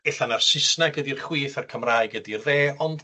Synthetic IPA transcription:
eɬanarsɪsnaɡədirχwiːθarkʰəmraɨɡədirðeːɔnd̥

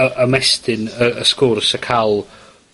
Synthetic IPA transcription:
əʔəmɛstɪnəəskʊrsəkʰalˠ

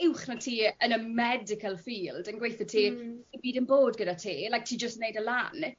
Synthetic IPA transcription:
ɪwχnatʰiːənəmɛdɪkʰəlˠfiːlˠdənɡwejθətʰiːiːbiːdənboːdɡədatʰeːlajk̚tʰiːd͡ʒəstnejdəlan

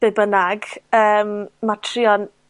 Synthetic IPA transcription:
b̥ɛbənaɡəːmmatʰriɔn

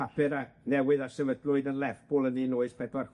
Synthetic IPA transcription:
apɨɾanɛwɨðasɛvədlʊɨdənlɛvb̥ɔlˠəninoːɨspʰɛdwar

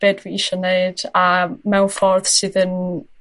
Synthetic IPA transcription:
b̥eːdwiiʃɔneɨd̥amɛwfɔrð̥sɨːðən

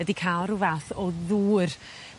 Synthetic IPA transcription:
ɛdikʰalˠɾuvaθɔðuːr

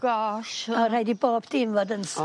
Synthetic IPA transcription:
ɡ̥ɔʃɔɾajdiboːbd̥iːnvoːdəns

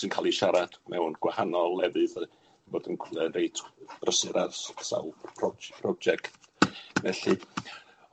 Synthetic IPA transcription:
sɨnkʰaːlˠiʃaɾad̥mɛwnɡ̥wahanɔlˠːɛvɨð | boːdənkʰɛnrejtʰb̥rəsɨɾarssa̰wlˠpʰrɔpʰrɔɡ̚d͡ʒɛktvɛɬɨ

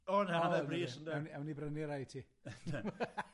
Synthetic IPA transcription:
ɔnhaəbriːsəndɛwnɛwnibrəniɾajtʰiː

